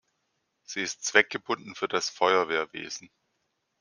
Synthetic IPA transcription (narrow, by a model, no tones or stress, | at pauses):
z̥iːɪstt͡sv̥ɛk̚ɡ̥əbʊndn̩fyːɐdasfɔʏɐveːɐvḛːzn̩